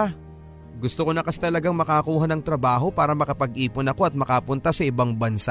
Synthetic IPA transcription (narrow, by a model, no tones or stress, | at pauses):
ɡʊst̪okonɐkɐsɛt̪ɐlɐɡaŋmɐkɐkuːɦɐnɐŋt̪ɾɐbaːɦo̞paːɾɐmɐkɐpɐɡ̚ʔiːpʊnɐko̞ʔɐt̪̚mɐkapʊnt̪asɐʔɪbaŋbɐnsa